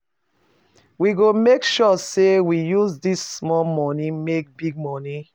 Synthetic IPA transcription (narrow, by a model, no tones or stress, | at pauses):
wiɡomekʃɔsewijuzdisːmɔmɔnĩmek̚biɡ̚mɔnĩ